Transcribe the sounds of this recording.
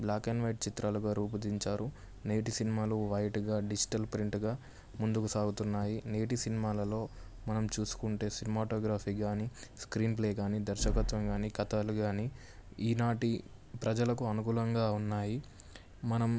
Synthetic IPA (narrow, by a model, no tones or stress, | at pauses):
blaːkenʋɐjʈ̚t͡ʃit̪ɾaːluɡaːɾuːp̬ɐd̪iɲt͡ʃaːɾu | ne̞ːʈisinimaːluʋɐjʈɡaːɖid͡ʒi̥ʈɐlpɾiɳʈɡaː | mund̪ukusaːɡut̪unːaːjine̞ːʈisinimaːlɐlo̞ː | mɐnɐmt͡ʃuːsu̥kuɳʈe̞ːsinɐmaːʈoːɡɾaːpʰiːɡaːniːskɾiːnpleːɡaːniːd̪ɐɾʃɐkɐt̪ʋɐmɡaːniːkɐt̪aːluɡaːni | iːnaːʈipɾɐd͡ʒɐlɐkuɐnukuːlɐŋɡaːunːaːji | mɐnɐm